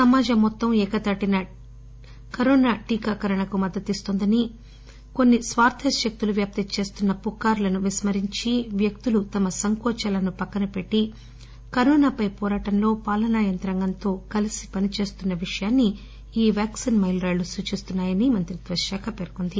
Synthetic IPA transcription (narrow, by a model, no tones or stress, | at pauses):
sɐmaːd͡ʒɐmːɔt̪ːɐmɛːkɐt̪ɐʈinɐ | kɐɾoːnaːʈiːkaːkɐɾɐɳɐkumɐd̪ːɐt̪ist̪oːnd̪ɐni | ko̞nːisʋaːɾt̪ʰɐʃɐk̚t̪uluʋjaːp̚t̪ɐt͡ʃe̞ːst̪unːɐpukːaːɾlɐnuʋismɐɾiɲt͡ʃiʋjɐk̚t̪ulut̪ɐmɐsɐŋkɔːt͡ʃɐlɐnupɐkːɐnɐpe̞ʈːi | kɐɾoːnaːpɐjpɔːɾaːʈɐmlo̞ːpaːlɐnaːjɐnt̪ɾɐŋɡɐnt̪o̞ːkɐlisi̥pɐnit͡ʃe̞ːst̪unːɐʋiʂɐjaːnːi | iːʋaːksinmɐjlɾaːlusuːt͡ʃist̪unːaːjɐnimɐnt̪ɾid̪ʋɐɾʃaːkʰɐpeːɾkond̪i